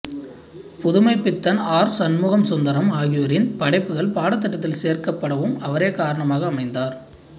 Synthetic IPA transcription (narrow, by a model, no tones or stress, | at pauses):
pʊðʊmɐɪpːɪt̪ːɐnaːɾsɐnmuːɣɐmsʊnd̪ɐɾɐmaːɣɪjoɾɪnpɐɽɐɪpːɯɣɐɭpaːɽɐt̪ːɐʈːɐt̪̬ːɪlseːrkɐpːɐɽɐʋɯmɐʋɐɾeːkaːɾɐɳɐmaːɣɐːmɐɪnd̪aːɾ